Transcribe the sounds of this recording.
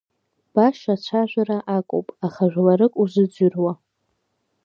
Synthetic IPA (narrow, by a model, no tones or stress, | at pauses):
b̥aʃat͡ɕʷʰaʒᶣʷaɾaʔakʷʼo̰wpʼaχaʒᶣʷlaɾɨkʼuzʷɨd͡zʷʏrwa